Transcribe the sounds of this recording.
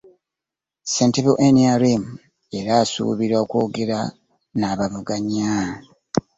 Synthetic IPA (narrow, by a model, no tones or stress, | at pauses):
sentiβoʔeniaɾim | e̞ɾaːsṵːβiɾaokwo̞ːɡe̞ɾa | naːβaβuɡaɲa